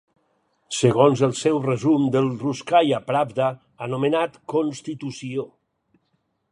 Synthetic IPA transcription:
səɣonzəlˠsɛwrəzumd̪əlˠruskajapɾabd̪aː | numənat̪konst̪it̪usio

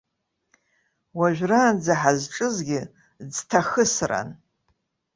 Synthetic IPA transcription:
waʒᶣraːnd͡zaħazʈ͡ʂʼɨzɡʲɪ | d͡ztʰaxɨsra̰n

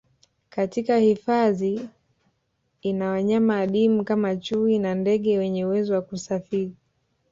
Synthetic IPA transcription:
katikahifaði | nawaɲamaːɗimukamat͡ʃuinandɛɠɛwɛɲɛuwɛzɔwakusafiɾi

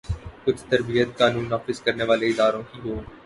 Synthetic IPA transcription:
kʊd͡ʒʰʱt̪ɐɾbijət̪kaːnũːnːaːfɪzkɐɾneːʋaːleɪd̪aːɾõːɦiːɦoː

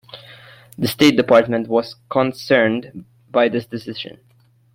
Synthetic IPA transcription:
ðɨsteɪt̚d̥ɨpʰɑɹtmə̃ntwʌz̥kʰə̃nsɜ˞nd | baɪðɪsd̥ɨsɪʒɨ̰̃n

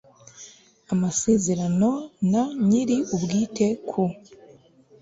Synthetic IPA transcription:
amaseːze̞ɾano̞naɲiɾiubɡiːte̞kʰu

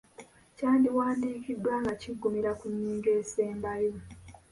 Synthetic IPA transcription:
caːndiwaːndiːkidːwaːŋɡaciɡːumiɾakuɲːiːŋɡe̞ːseːmbajo

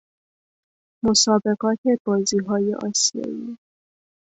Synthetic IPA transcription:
mosɒːbe̞ɣɒːt̪ʰeb̥ɒːziːɦɒːjḛʔɒːsijɒ̰ːi

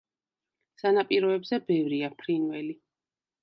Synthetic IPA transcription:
sanapʼiɾɔɛbzɛbɛvɾiapʰɾinvɛli

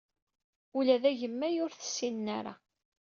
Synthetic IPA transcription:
ulæðæʝəmːæjʊɾθə̥sːinnːæ̰ɾa̰

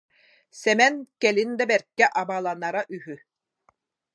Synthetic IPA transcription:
sɛmɛnkɛlind̪ɛbɛɾkːɛʔabaːlˠanaɾaʔyɦy

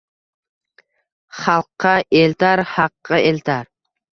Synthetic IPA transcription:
χɑlˠqːɑʔelt̪ʰaɾhɑqːɑʔelt̪ʰaɾ

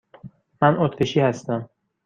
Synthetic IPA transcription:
mænʔot̪ʰɾeʃiːhæst̪æm

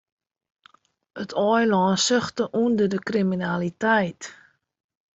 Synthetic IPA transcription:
ətʰɔjlɔːnsøxtəʔundərdəkriminalitɛjt

